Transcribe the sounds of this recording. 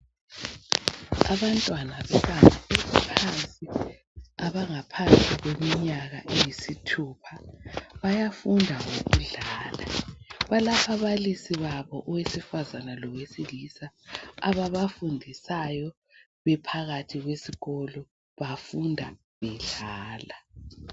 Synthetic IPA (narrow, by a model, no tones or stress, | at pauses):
a̰βantʼwanaβɛβanʱaesipʰant͡sʼi | aβaŋapʰant͡sʼiɣwemiɲaɣaʔejisitʰuːpʰaβajafundʱaŋoɣuɮaːlaβalapʰaβalisiβaβɔʔɔwesifazanalɔwesilisaaβaβafundʱisajɔ | βɛpʰaɣatʰiɣwesiɣɔlɔ | βafundʱa | βɛɮaːla